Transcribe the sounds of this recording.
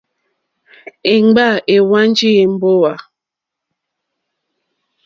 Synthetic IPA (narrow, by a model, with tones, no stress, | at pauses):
e˨ŋ͡mɡ͡ba˦˨e˨wa˦n˦d͡ʒi˦e˨m̩˦bo˦wa˨